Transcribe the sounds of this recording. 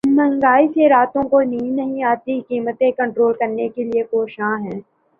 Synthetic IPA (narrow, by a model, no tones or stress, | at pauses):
mɐ̃ŋɡaːiseɾaːt̪õkoniːnːɐɦĩaːt̪iɦɪkiːmət̪ẽkɐ̃ɳʈɾoːlkɐɾnekeliepoːʃãːɦɛ̃ː